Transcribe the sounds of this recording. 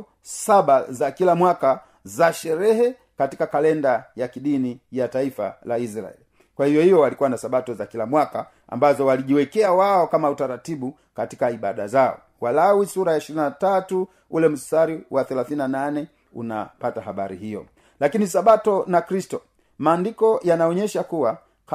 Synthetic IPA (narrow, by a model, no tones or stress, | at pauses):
saɓazakilamwaka | zaʃɛɾɛhɛ | kati̥kakalɛndajakiɗinijataifa̰laisɾa̰ɛ̰li | kwahivjɔhijɔwalikuwanasaɓatɔzakilamwaka̰ | a̰mbazɔwaliʄiwɛkɛawaɔkamautaɾatiɓu | kati̥kaiɓaɗa̰zaɔ̰ | walawisuɾajaiʃiɾinatatu | ulɛm̩ssaɾiwaθɛlaθininananɛ | ṵna̰patahaɓaɾḭhijɔ̰ | lakinisaɓatɔnakɾistɔ | maːndikɔjanaɔɲɛʃakuwa